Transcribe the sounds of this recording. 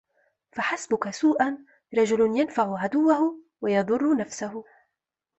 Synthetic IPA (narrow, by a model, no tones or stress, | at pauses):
faħasbʊkasuːʔan | ɾˤɑd͡ʒʊlʊnjanfaʕʊʕad̪ʊwːahʊ | wajɑðˤʊrˤːʊnafsahʊ